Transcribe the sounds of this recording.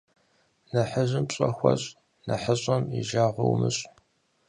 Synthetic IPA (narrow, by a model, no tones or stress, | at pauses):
nɐħəʑɨmpɕʼɐxʷɐ̰ɕʼ | nɐħəɕʼɐmiʒaːʁʷɔwmɨɕʼ